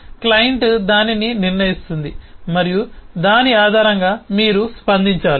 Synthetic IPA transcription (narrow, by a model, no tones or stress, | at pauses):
klɐjiɳʈd̪aːnininiɾnɐjist̪und̪imɐɾijud̪aːniaːd̪ʱaːɾɐŋɡaːmiːɾuspɐnd̪iɲt͡ʃaːli